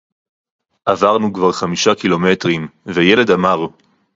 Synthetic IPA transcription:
ʔavaʁnukvaʁχamiʃakilo̞me̞tʁimvejele̞damaʁ

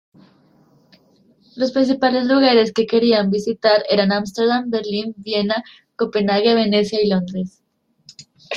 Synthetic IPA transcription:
lo̞spɾins̬ipale̞zluɣaɾe̞ske̞ke̞ɾiambisit̪aɾe̞ɾanamst̪eɾðambe̞ɾlinbje̞na | ko̞pe̞naɣjeβe̞ne̞sjailo̞nd̪ɾe̞s

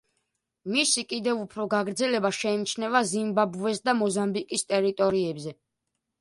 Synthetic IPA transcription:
misikʼid̪ɛvupʰɾɔɡaɡɾd̪zɛlɛbaʃɛnit͡ʃʰnɛvazimbabuvɛsd̪amɔzambikʼist̪ʼɛɾit̪ʼɔɾiɛbzɛ

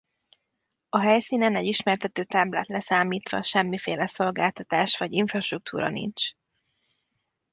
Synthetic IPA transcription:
ɒɦɛjsiːnɛnɛɟiʃmɛrt̪ɛt̪øːt̪ɛblɛt̪lɛsaːmiːt̪ʋɒ̰ʃɛmːifeːlɛso̞lɡaːlt̪ɒt̪aːʃʋɒɟiɱfrɒʃt̪ruk̚t̪ʰuːɾɒ̰nḭnt͡ʃ

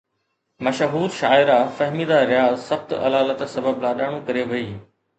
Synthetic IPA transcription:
mɐʃɦuːɾʃaːɪɾafɐɦmid̪aɾɪjaːzsɐxt̪ɐ̰laːlət̪sɐbəblaːɗaːɽ̃ũkɐɾeʋɐiː

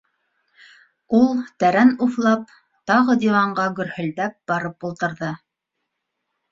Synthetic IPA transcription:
ulˠt̪æɾænuθlˠɑp̚ | t̪ɑʁɤd̪ʲivɑɴɢɑɡɵ̆ɾhɵ̆ld̪æp̚b̥ɑɾɤpulˠt̪ɤ̆ɾðɤ

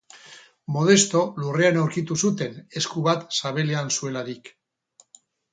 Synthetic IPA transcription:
mo̞ð̞e̞st̪o̞lure̞anawɾkit̪usut̪e̞ne̞skuβat̪saβe̞le̞ansue̞laɾik

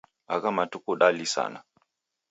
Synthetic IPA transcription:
aɣamatukuɗalisa̰na

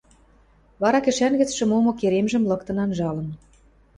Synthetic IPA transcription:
βɑɾɑkɘ̆ʃænɣɘ̆t͡sʃɘ̆momŏkeɾemʒə̆mlɤ̆kt̪ɤ̆nɑnʒɑlɤ̆n

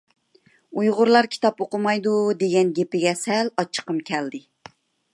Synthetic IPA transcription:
ujʁʊɾlˠɑɾkʲʰi̥t̪ɑpoqʊmɑjd̪ud̪eɡʲɛnɡʲepɪɡʲɛsɛlɑt͡ʃʰːə̥qəmkʲʰɛld̪ɪ

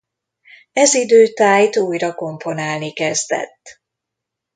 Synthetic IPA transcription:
ɛzid̪øːt̪aːjt̪uːjrɒko̞mpo̞naːlnikɛzd̪ɛ̰t̪ː

